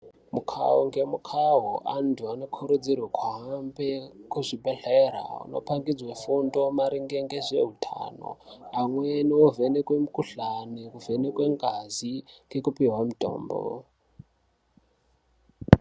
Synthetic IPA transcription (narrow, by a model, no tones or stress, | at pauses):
mukʰa̰oŋɡemukʰaɦoʔantʰuanokʰuɾud͡zirwakʰwaɦambekuʐibʱeɬeɾa̰ṵno̞̰paŋɡid͡zwefundo̞maɾiŋɡeŋɡeʐḛɦutʰa̰ːno̰amweniwovenekwemukuɬanikuvenekweŋɡaziŋɡekupiɦwamutʼo̰ːmbo̰